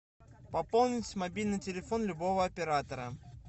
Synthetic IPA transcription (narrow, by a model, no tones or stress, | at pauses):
pɐpolˠnʲɪtʲmɐbʲilʲnɨjtʲɪlʲɪfonlʲʊbo̞vəɐpʲɪɾat̪əɾə